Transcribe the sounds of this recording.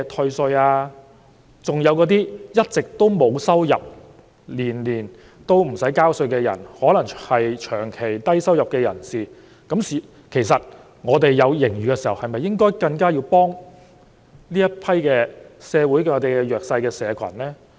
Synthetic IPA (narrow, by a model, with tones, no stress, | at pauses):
t̪ʰɵ˧ɥsɵ˧ɥaː˧ | t͡sʊ˨ŋjɐ˨˧wkɔː˨˧˥t̪iː˥jɐ˥t̚t͡sɪ˨k̚t̪o˥wmo˨˧wsɐ˥wjɐ̰˨p̚ | liː˨˩nliː˨˩n | t̪o˥wm̩˨˩sɐ˨˥jkaː˥wsɵ˧kɛː˧jɐ̰˨˩nhɔː˨˥lɐ˨˩ŋhɐ˨jt͡ʃʰœː˨˩ŋkʰe˨˩jt̪ɐ˥jsɐ˥wjɐ˨p̚kɛː˧jɐ˨˩nsiː˨ | kɐ˨˥msi˨ | kʰe˨˩jsɐ˨t̚ | ŋɔː˨˧t̪e˨jːɐ˨˧wjɪ˨˩ŋɥyː˨kɛː˧si˨˩hɐ˨whɐ˨jmɐ˨jːɪ˥ŋkɔː˥jkɐ˧ŋkaː˥jiː˧wpɔː˥ŋ | liː˥jɐ˥t̚pʰɐ˥jkɛː˧sɛː˨˧wuː˨˥jkŋɔː˨˧t̪e˨˩jkɛ˧jœː˨k̚sɐ˧jkɛː˧sɛː˨˧kʰɐ̰˨˩nlɛː˥